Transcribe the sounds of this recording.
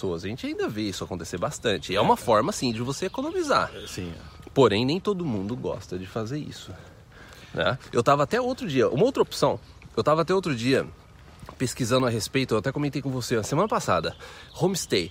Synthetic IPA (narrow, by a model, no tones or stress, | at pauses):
soɐzaʒẽnt͡ʃɪaĩnd̪ɐveisʊakõnt̪e̥seɾbast̪ɐ̃t͡ʃɪɛũmɐfɔɾmɐsĩd͡ʒɪvoseekonõmiza̰ɾsĩ | poɾẽj̃nẽj̃t̪od̪ʊmũnd̪ʊɡɔ̰st̪ɐd͡ʒɪfazeɾḭsʊ | nɛ̰ewt̪avɐat̪ɛowt̪ɾʊd͡ʒiɐʔṵ̃mɐowt̪ɾɐopsɐ̃w̃ | ewt̪avɐaːt̪ɛowt̪ɾʊd͡ʒiɐ | peskizɐ̃nd̪ʊɐɦespejt̪ʊewat̪ɛkõmẽnt̪ejkõvosenɐsemɐ̃nɐpasa̰d̪ɐhõmist̪ej